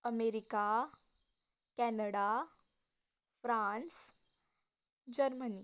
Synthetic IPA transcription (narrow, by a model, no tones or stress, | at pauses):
əmeɾika | kɛnəɽa | fɾãːns | d͡ʑəɾməni